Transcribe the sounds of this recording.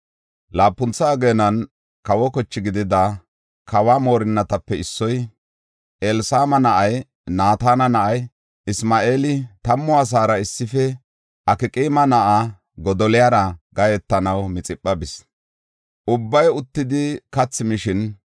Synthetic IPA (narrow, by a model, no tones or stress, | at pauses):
laːpːʊnt͡sːaːɡeːnɐn | kɐwɔkɔt͡ʃːɪɡɪd̪ɪd̪ɐ | kʰɐwaːmo̞ːɾɪnːɐt̪ɐpːɛɪsːɔj | ʔelsaːmɐnɐʔɐj | naːt̪aːnɐnɐʔɐj | ɪsmaːʔe̞ːlɪt̪ɐmːɔɐs̬aːɾɐɪsːɪfɛ | ʔɐkɪkʼiːmɐnɐʔa | ɡɔd̪ɔlɪjaɾɐɡɐjɛt̪ːɐnɐwmɪt͡sʼɪpʼːɐbɪs | ʔʊbːɐjʊt̪ːɪd̪ɪkɐt͡sːɪmɪʃɪn